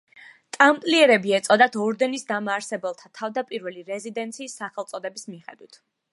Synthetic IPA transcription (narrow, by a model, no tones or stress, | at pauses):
t̪ʼamt̪ʼliɛɾɛbiɛt̪sʼɔd̪at̪ʰɔɾd̪ɛnisd̪amaːɾsɛbɛlˠt̪ʰat̪ʰavd̪apʼiɾvɛliɾɛzid̪ɛnt̪sʰiːsːaχɛlˠt̪sʼɔd̪ɛbismiχɛ̰d̪wit̪ʰ